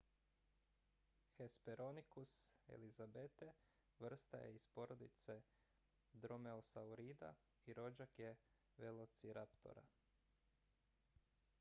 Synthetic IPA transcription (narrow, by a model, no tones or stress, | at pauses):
xespeɾʔo̞nikusḛlizabet̪e | ʋr̩st̪a̰jḛispo̞ɾo̞d̪it̪se̞ | d̪ɾo̞me̞osauɾid̪a̰ | iɾo̞d͡ʒakje | ʋelˠo̞t̪siɾapt̪o̞̰ɾa̰